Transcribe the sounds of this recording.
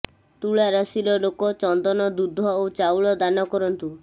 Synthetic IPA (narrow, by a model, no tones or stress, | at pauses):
t̪uɭaɾasilɔlokɔt͡ʃɔnd̪ɔnɔd̪ud̪ʱɔowt͡ʃawɭɔd̪anɔkɔɾɔnt̪u